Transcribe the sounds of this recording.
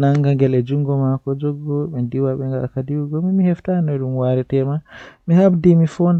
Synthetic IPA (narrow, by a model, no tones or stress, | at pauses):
naŋɡaŋɡɛlɛd͡ʒuŋɡɔmakɔd͡ʒɔɡɔɓɛndiwaɓɛŋɡaakadiwuɡɔmimihɛftanɔɗumwaɾɛtɛmamihabdimifɔnd